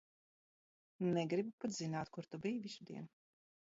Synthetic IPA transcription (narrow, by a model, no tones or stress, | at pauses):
nɛɡɾibupat̪zinaːt̪kuɾt̪ubijviʃd̪iɛn